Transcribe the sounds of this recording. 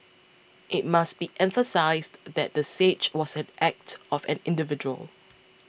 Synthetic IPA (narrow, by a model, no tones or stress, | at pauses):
ʔɪt̚masb̥iʔɛ̃ɱfəsaɪsddɛt̚dəset͡ʃwɔsɛ̃nʔɛk̚tɔfɛ̰̃nɪ̃ndɪvɪd͡ʒuə̰l